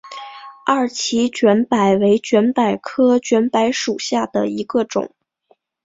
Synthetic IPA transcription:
a˥˩t͡ɕʰi˧˥t͡ɕɥɛ˧˥npa˨˩ɪwe˧˥ɪt͡ɕɥɛ˧˥npa˨˩ɪkʰɤ˥t͡ɕɥɛ˧˥npa˧˥ɪʂu˨˩ɕja˥˩d̪ə˩i˧˥ɡə˧ʈ͡ʂʊ̰˨˩˦ŋ

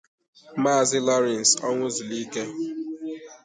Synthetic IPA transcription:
ma˦˨zɪ˦lɔ˦ɾɛ˨n˨sɔ˦ŋʷʊ˦zʊ˨li˦ke˦

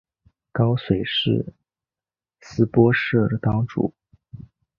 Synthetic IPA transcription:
kɑ˥ʊswe˨˩ɪʂɻ̩˥˩ | sɹ̩˥pwɔ˥ʂɤ˥˩d̪ə˩t̪ɑ˥ʊʈ͡ʂṵ˨˩˦

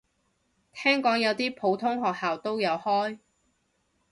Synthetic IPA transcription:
t̪ʰɛː˥ŋkɔː˨˥ŋjɐ˨˧wt̪iː˥pʰo˨˧wt̪ʰʊ˥ŋɦɔː˨k̚haː˨wt̪o˥wjɐ˨˧whɔː˥j

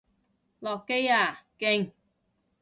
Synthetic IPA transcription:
lɔː˨˩kːe˥jaː˨˩kɪ˧ŋ

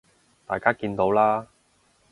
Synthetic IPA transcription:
t̪a̰ː˨˩jkaː˥kiː˧nt̪o˨˥wlaː˥

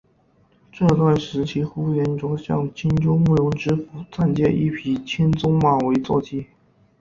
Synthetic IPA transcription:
ʈ͡ʂɤ˥˧t̪wa˥˩nʂɻ̩˧˥t͡ɕʰi˥xu˥jɛ˧˥nʈ͡ʂwɔ˧˥ɕjɑ̰˥˩ŋt͡ɕʰi˥nʈ͡ʂʊ˥ŋmu˥˩ɻʊ˧˥ŋʈ͡ʂɻ̩˥fu˨˩t͡sa˥˧nt͡ɕjɛ˥˧ʔḭ˥˩pʰi˧˥t͡ɕʰi˥nt͡sʊ˥ŋma˨˩we˧˥ɪt͡swɔ˥˧˩t͡ɕ̪ʰi˥

